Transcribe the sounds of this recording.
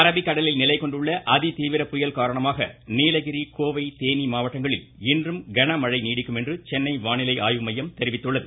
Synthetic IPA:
ɐɾɐbɪkːɐɽɐlɪlnɪlɐɪkɔɳɖɯɭːɐʔɐðɪt̪iːʋɪɾɐpʊjɐlkaːɾɐɳɐmaːɣɐ̰niːlɐɣɪɾikoːʋɐɪt̪eːnimaːʋɐʈːɐŋɡɐɭɪl | ɪndrɯmɡɐɳɐmɐɻɐɪniːɽɪkːɯmɛndrɯt͡ʃɛnːɐɪʋaːnɪlɐɪʔaːjʋɯmɐjːɐmt̪ɛɾɪʋɪt̪ːɯɭːɐðɯ

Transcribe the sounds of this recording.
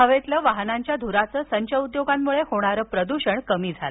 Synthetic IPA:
ɦəʋet̪ləʋaɦnaɲt͡ɕjad̪ʱuɾat͡səːsəɲt͡ɕəud̪joɡamːuɭehoɽ̃aɾəːpɾəd̪uɕəɳkəmiːd͡zʱalə

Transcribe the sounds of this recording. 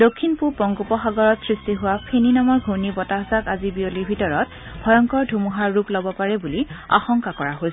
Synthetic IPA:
dokʰːinpuɹpɔŋɡupɔxaɡɔɹɔtsɹistiɦʊwapʰeninamɔɹɡʱuɹnibɔtaɦzakazibioliɹbʱitɔɹɔt | bʱɔjɔŋkɔɹdʱumuɦaɹːuplɔbɔpaɹɛbulia̰xɔŋkakɔɹaɦojs

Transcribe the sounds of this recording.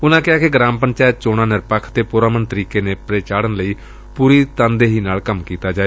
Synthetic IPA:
ʊnãːkɪaːkɪɡɾãːmpənt͡ʃaːjət̪̚t͡ʃoːɽ̃ãːnɪɾpəkʰt̪eːpʊɾaːmənt̪əɾiːkeːneːpɾeːt͡ʃaːɽənləiː | puːɾiːt̪ãːnd̪eːɦiːnaːlkəmkiːt̪aːd͡ʒaːeː

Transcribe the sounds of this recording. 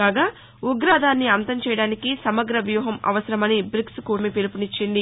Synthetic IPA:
aːɡaː | uɡɾaːd̪ʱaːnːiɐnt̪ɐmt͡ʃɛːjɐɽaːnikisɐmɐɡɾɐʋjuːɦɐmɐ̰ʋɐsɐɾɐmɐnibɾikskuːɾmipelupunit͡ʃːind̪i

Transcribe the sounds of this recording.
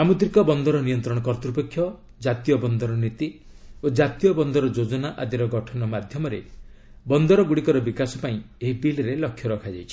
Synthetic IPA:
samud̪ɾikɔbɔnd̪ɔɾɔnijɔnt̪ɾɔɽ̃ɔkɔɾt̪ɾupekʰːjɔ | d͡ʒat̪ijɔbɔnd̪ɔɾɔnit̪i | od͡ʒat̪ijɔbɔnd̪ɔɾɔd͡ʒod͡ʒɔnaʔad̪iɾɔɡɔʈʰɔnɔmad̪ʱjɔmɔɾe | bɔnd̪ɔɾɔɡuɽikɔɾɔbikasɔpaĩ | eɦipilɾelɔkʰːjɔɾɔkʰad͡ʒajt͡ʃʰi̥

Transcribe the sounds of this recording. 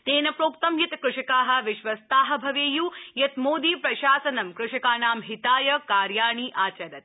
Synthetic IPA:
t̪eːnɐpɾoːkt̪ɐmjit̪kɾʊʂikaːɦɐ̆ʋɪʃʋɐst̪aːɦɐ̆bʱɐʋeːjuːjɐt̪moːd̪iːpɾɐʃaːsɐnɐmkɾʊʂikaːnaːmɦit̪aːjɐkaːɾjaːɳ̃iːʔaːt͡ʃɐd̪ɐt̪̚

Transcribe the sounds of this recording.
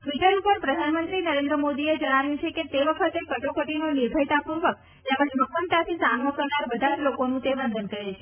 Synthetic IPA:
ʈʋiʈəɾupəɾpɾəd̪ʱanmənt̪ɾinəɾẽnd̪ɾəmod̪ied͡ʒəɽ̃aʋjũt͡ʃʰeket̪eʋəkʰət̪ekəʈokəʈinoniɾbʱəjt̪apuɾʋək̚ | t̪eməʃbəɡʋənt̪at̪ʰisanʋəkəɾnaɾbəd̪ʱad͡ʒlokonũt̪ebənd̪ʱənkəɾet͡ʃʰe

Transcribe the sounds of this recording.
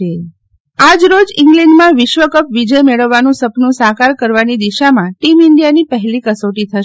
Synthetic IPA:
e | ad͡ʒɾod͡ʒɪŋɡlɛɳɖmãʋɪʃʋəkəpʋid͡ʒəjmeɭəʋːanũsəpnũsakaɾkəɾʋanid̪iʃamãʈimɪɳɖijanipəɦlikəsoʈit̪ʰəʃ

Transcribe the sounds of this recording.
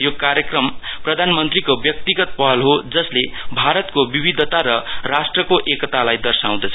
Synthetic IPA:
jokaɾjʌkrʌmprʌd̪ʱanmʌnt̪rikobjʌk̚t̪iɡʌt̪̚pʌɦʌlɦod͡zʌslebʱaɾʌt̪kobibid̪ʱʌt̪aɾʌrasʈrʌkoʔekʌt̪alajd̪ʌrsaw̃d̪ʌt͡sʰʌ

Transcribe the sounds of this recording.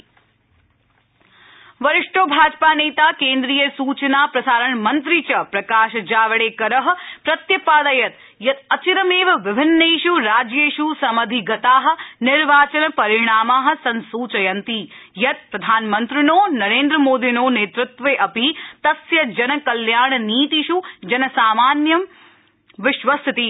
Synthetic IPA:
ʋɐɾɪʂʈoːbʱaːd͡ʒpaːneːt̪aːkeːnd̪ɾijɐsuːt͡ʃɐnaːpɾɐsaːɾɐɳmɐnt̪ɾit͡ʃɐpɾɐkaːʃɐd͡ʒaːʋɐɽeːkɐɾɐɦɐ̆pɾɐt̪jɐpaːd̪ɐjɐt̪ | jɐt̪ɐt͡ʃiɾɐmeːʋɐʋɪbʱɪnːeːʃuɾaːd͡ʒjeːʃusɐmɐd̪ʱiɡɐt̪aːɦɐ̆nɪɾʋaːt͡ʃɐnɐpɐɾɪɳ̃aːmaːɦɐ̆sɐnsuːt͡ʃɐjɐnt̪ijɐt̪̚pɾɐd̪ʱaːnmɐnt̪ɾɪnoːnɐɾeːnd̪ɾɐmoːd̪inoːneːt̪ɾʊt̪ʋeːʔɐpit̪ɐsjɐd͡ʒɐnɐkɐljaːɳɐniːt̪iʃud͡ʒɐnɐsaːmaːnjɐm | ʋɪʃʋɐst̪ʰɪt̪i

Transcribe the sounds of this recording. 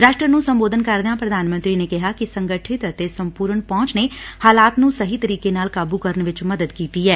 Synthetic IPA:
ɾaːʃʈɾənũːsə̃mboːd̪ənkəɾd̪eãːpɾəd̪ʱaːnmə̃nt̪ɾiːnekɪɦaːkisə̃ŋɡəʈʰɪt̪ət̪esəmpuːɾəɳpɔ̃ːt͡ʃnehaːlaːt̪nũːsəɦit̪əɾiːkenaːlkaːbukəɾənʋɪt͡ʃməd̪əd̪kiːt̪iɛː

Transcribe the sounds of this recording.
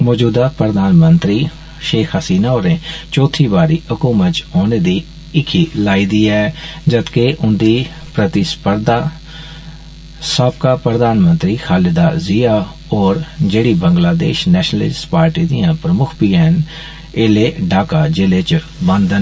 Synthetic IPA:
mɔːd͡ʒuːd̪aːpɾəd̪aːnmənt̪ɾiː | ʃeːkʰəsiːnaːoːɾẽːt͡ʃɔːt̪ʰiːbaːɾiːɦʊkuːmət̪t͡ʃoːneːd̪iː | ɪkʰiːlaːiːd̪iːaɛd͡ʒət̪keʔʊnd̪iː | pɾət̪ɪspəɾd̪aː | səb̚kaːpɾəd̪aːnmə̃nt̪ɾiːxʰaːlɪd̪aːzɪːaː | ɔːɾd͡ʒeːɽiːbəŋɡlaːd̪ḛːʃnɛːʃnəlɪ̰sʈpaːɾʈiːd̪ijãːpɾəmʊkʰpiːɛn | eleːɖaːkaːd͡ʒɪleːt͡ʃ | bə̃nd̪ən

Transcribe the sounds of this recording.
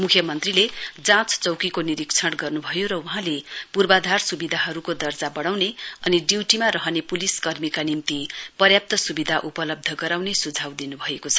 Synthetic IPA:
mukʰjʌmʌnt̪riled͡zãt͡st͡sʌwkikoniɾikt͡sʰʌɽɡʌrnubʱʌjoɾʌuɦãlepurbad̪ʱarsubid̪ʱaɦʌɾukod̪ʌrd͡zabʌɽ̃awneʌniɖiwʈimaɾʌɦʌnepuliskʌrmikanimt̪ipʌrjap̚t̪ʌsubid̪ʱaʔupʌlʌb̚d̪ʱʌɡʌɾawnesud͡zʱawd̪inubʱʌekot͡sʰʌ̥

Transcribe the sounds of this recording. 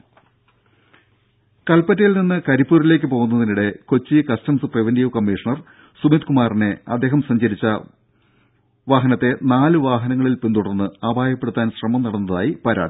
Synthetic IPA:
kɐlpɐtːɐjilninːɨkɐɾipːuːɾile̞ːk̬ʲːɨpo̞ːɣunːɐðiniɽe̞ko̞t͡ɕːikɐstɐmsɨprɨʋendijʋkɐmːiːʂɐɳɐr | sumit̪kumaːrneɐ̰d̪ːe̞ːɦɐmsɐɲd͡ʑɐɾit͡ɕːɐ | ʋaːɦɐnɐt̪ːe̞naːlɨʋaːɦɐnɐŋːɐɭilpend̪uɽɐrnːɨaːbʱaːjɐpːeɽut̪ːaːnɕrɐmɐmnɐɽɐnːɐðaːjipɐɾa̰ːɽi

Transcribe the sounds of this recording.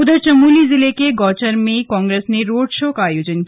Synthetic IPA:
ud̪əɾt͡ʃɐmulizilekeɡɔt͡ʃəɾmekɔːŋɡɾesneɾoɽʃokaːjod͡ʒənk

